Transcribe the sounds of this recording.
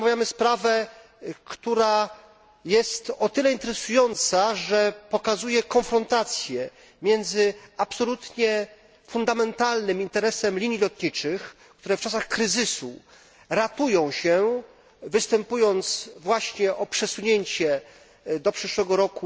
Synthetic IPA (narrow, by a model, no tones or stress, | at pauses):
avʲjamɘspɾavɛ | kt̪uɾa | jɛst̪ɔt̪ɘlɛint̪ɛɾɛsujɔnt̪saʐɛpɔkazujɛkɔ̃nfɾɔnt̪at̪sʲjɛ | mʲjɛnd̪zɘapsɔlut̪ɲɛ | fund̪amɛnt̪alnɘmint̪ɛɾɛsɛmlʲiɲjilɔt̪ɲit͡ʂɘx | kt̪uɾɛft͡ʂas̬axkɾɘzɘsṵ | ɾat̪ujɔ̃w̃ɕɛ | vɘst̪ɛmpujɔnt̪svwaɕɲɛʔɔpʂɛsuɲeɲt͡ɕɛ | d̪ɔpʂɘʂwɛɡɔɾɔku